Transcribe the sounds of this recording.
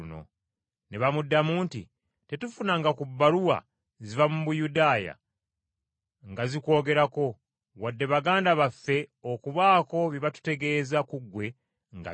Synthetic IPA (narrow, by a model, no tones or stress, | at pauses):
no̞̰ | ne̞βamudːamuːntḭ | te̞tufunaŋɡakubːaɾuwa̰ | zivamuβujudaːja̰ | ŋɡaziko̞ːɡe̞ɾako̞ | βwadːe̞βaɡaːndaβafːe̞o̞kuβaːko̞βiβatu̥te̞ɡe̞ːzakuɡwe̞ | ŋɡa̰